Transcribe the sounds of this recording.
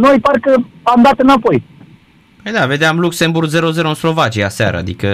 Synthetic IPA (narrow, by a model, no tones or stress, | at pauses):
nojparkə | amd̪at̪ɨnapo̞j | əjd̪ave̞d̪eamlukse̞mburɡzeɾo̞ze̞ɾoɨnslo̞vat͡ʃijasa̰ɾə̰a̰d̪ikə